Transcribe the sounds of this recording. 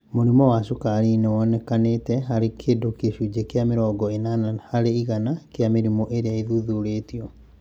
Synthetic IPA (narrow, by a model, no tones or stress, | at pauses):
moɾimɔwaʃokaɾinewɔnɛkanetɛɦaɾekʰeːdokeɕud͡ʒekeameɾɔːɡɔenanahaɾeiɣanakeameɾimɔʔeɾeaiðuðuɾetiɔ